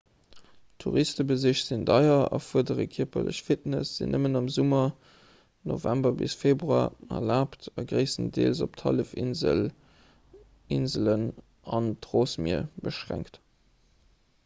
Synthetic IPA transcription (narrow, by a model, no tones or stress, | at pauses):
tʰuʁistəbəziɕz̥indɑɪɐɑ̰fuɐdəʁəkʰiɐpɐlə̰ɕfitnəsz̥ḭnʔəmənɑmzumɐ | novæmbɐbisfeːbʁuaːɐ̰laːptɑɡʁəɪsəndḛːlzoptʰɑləfinzə | inzələn | ɑntʁoːsmiɐbəʃʁæ̰ŋkt